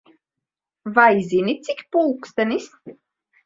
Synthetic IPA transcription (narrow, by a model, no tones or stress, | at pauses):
vaizinit̪sikʲpolˠkst̪ɛnist̪